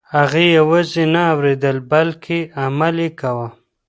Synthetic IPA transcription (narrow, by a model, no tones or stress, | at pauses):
aɣijawazenaːwɾed̪əlbalkʰeamalekawa